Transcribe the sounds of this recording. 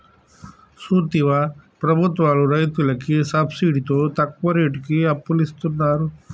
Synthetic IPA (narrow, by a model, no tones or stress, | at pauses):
sut̪iʋapɾɐbʱut̪ʋaːluɾɐjt̪ulɐkisɐbsiːɖit̪oːt̪ɐk̚ʋɐɾeːʈkiɐpːulist̪unːaːɾu